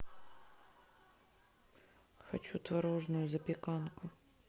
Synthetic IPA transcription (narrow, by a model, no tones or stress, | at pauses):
xɐ̰t͡ʃut̪ʋɐɾɔʐnʊjʊzɐpʲɪkɑnkʊ